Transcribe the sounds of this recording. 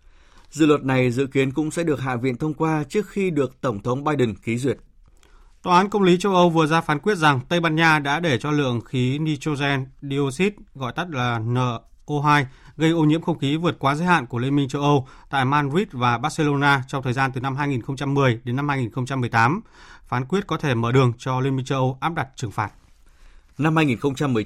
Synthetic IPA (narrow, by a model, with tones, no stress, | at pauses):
zɨ̰˧˨lwə˨˩t̚na˨˩jzɨ̰˧˨ki˨˦ənkʊ̰˧˥ŋ͡msɛ̰˧˥ɗɨ˨˩ək̚ha̰ː˧˨vḭ˧˨ənt̪ʰə˧wŋ͡mkwaː˧t͡ɕɨ˦˥ək̚xi˧ɗɨ˨˩ək̚t̪ə˧˩ŋ͡mt̪ʰə˨˦wŋ͡mɓaː˧jɗə˨˩ŋki˨˦zwi˨˩ət̚ | t̪waː˧˩ʔaː˨˦nkə˧wŋ͡mli˨˦t͡ɕə˧wʔə˧wvɨ˨˩əzaː˧faː˨˦nkwi˦˥ət̚za˨˩ŋt̪ə˧jɓaː˧nɲaː˧ɗa̰ː˧˥ɗe˧˩t͡ɕɔ˧lɨ̰˧˨əŋxi˨˦ni˧t͡ɕo˧zɛ˧nɗi˧o˧si˦˥t̚ɣɔ̰˧˨jt̪ə˦˥k̚laː˨˩nəː˧˩ | ʔo˧ɦaː˧j | ɣə˧jʔo˧ɲḭ˧˥əmxə˧wŋ͡mxi˨˦vɨ˨˩ət̚kwaː˨˦zəː˨˦jha̰ː˧˨nku˧˩wi˧nmï˧ŋt͡ɕə˧wʔə˧w | t̪a̰ː˧˨jmaː˧nzi˦˥t̚vaː˨˩ɓaː˦˥t̚se˧lo˧naː˧t͡ɕɔ˧wŋ͡mt̪ʰəː˨˩zaː˧nt̪ɨ˨˩na˧mɦaː˧jŋi˨˩nxə˧ŋ͡mt͡ɕa˧mːɨ˨˩əjɗe˨˦nːa˧mhaː˧jŋi˨˩nxə˧wŋ͡mt͡ɕa˧mː˨˩əjt̪aː˨˦m | faː˨˦nkwi˦˥ət̚kɔ˨˦t̪ʰe˧˩məː˧˩ɗɨ˨˩əŋt͡ɕɔ˧lwi˧nmi˧ŋt͡ɕə˧wʔə˧wʔaː˦˥p̚ɗa˨˩t̚t͡ɕɨ˨˩ŋfaː˨˩t̚ | na˧mhaː˧jŋi˨˩nxə˧wŋ͡mt͡ɕa˧mːɨ˨˩ə